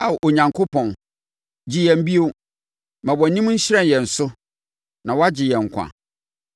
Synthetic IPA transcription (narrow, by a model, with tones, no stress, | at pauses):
a˨ʔo˨ɲã˨ŋkʰo˦pʰɔ̃˨n | d͡ʑɪ˦jɛ˨m̩˦bi˦o˦ | mã˨wɔ˨nĩ˦m˦ɲ̩˦ɕɪ˦ɾɛ̃˦˨njɛ˨n̩˨sʊ˦ | nã˨wɔ˦a˦d͡ʑɪ˨jɛ̃˨ŋ̩˨kʷʰa̰˨